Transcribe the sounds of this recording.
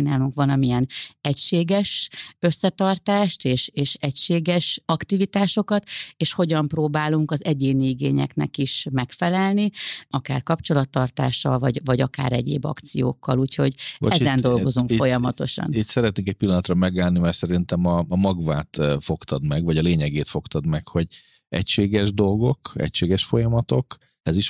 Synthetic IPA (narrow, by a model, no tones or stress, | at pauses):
naːluŋkʋɒnɒmijɛnɛcʃeːɡɛʃø̞sːɛt̪ɒrt̪aːʃt̪eːʃeːʃɛcʃeːɡɛʃɒkt̪ivit̪aːʃo̞kɒt̪eːʃho̞ɟɒmproːbaːluŋkɒzɛɟeːniiɡḛːɲɛ̰knɛ̰kiʃmɛkfɛlɛlniɒka̰ːrkɒpt͡ʃo̞lɒt̪ːɒrt̪a̰ːʃːɒ̰lvɒɟvɒɟɒka̰ːɾɛɟḛːbɒ̰kt̪sijo̰ːkːɒluːcho̞ɟ̰ɛzɛnd̪o̞lɡo̞zuŋkfo̞jɒmɒt̪o̞ʃɒ̰nit̪sɛɾɛt̪neːŋkɛc̚pilːɒnɒt̪rɒmɛɡaːlnimɛrsɛɾint̪ɛmɒːmɒɡvaːt̪fo̞kt̪ɒd̪mɛɡvɒɟɒleːɲɛɡeːt̪fo̞kt̪ɒd̪mɛkho̞ɟ | ɛ̰cʃeːɡɛʒd̪o̞lɡo̞kɛ̰cʃeːɡɛʃfo̞jɒmɒt̪o̞k | ɛziʃ